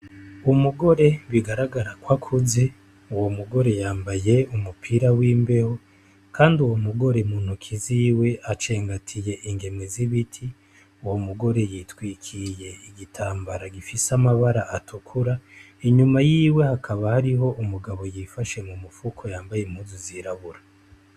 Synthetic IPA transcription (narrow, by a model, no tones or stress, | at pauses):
umuɡo̞ɾe̞βiɡaɾaɡaɾakwakʰuze | uwomuɡo̞ɾe̞jaːmbaje̞umupʰiɾawiːmbe̞ho | kʰaːndiuwomuɡo̞ɾe̞muːn̥hukʰiziwe̞ʔat͡ʃe̞ːŋɡatʰije̞ʔiŋɡe̞meziβitʰi | uwo̞muɡo̞ɾe̞jitwiːkʰije̞iɡitʰaːmbaɾaɡifisamaβaɾaʔatʰukʰuɾa | iɲumajiːwe̞hakʰaβahaɾiɦo̞ʔumuɡaβo̞jifaʃe̞mumufukʰo̞jaːmbajemhuːnzuziɾaβuɾa